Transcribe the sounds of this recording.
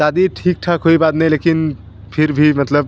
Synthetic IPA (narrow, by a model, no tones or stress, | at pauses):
d̪ad̪iʈʰik̚ʈʰakɦoibad̪nəjlekin | pʰiɾbʱimət̪ləb̚